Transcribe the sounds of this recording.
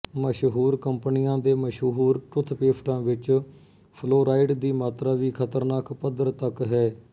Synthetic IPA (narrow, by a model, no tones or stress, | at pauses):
məʃɦuːɾkəmpnijãːd̪eːməʃɦuɦuːɾʈʊt̪ʰːpeːpʰʈãːʋɪt͡ʃ | pʰloːɾaːɪɖd̪iːmaːt̪ɾaːʋiːkʰət̪əɾnaːkpəd̪əɾt̪əkɦɛː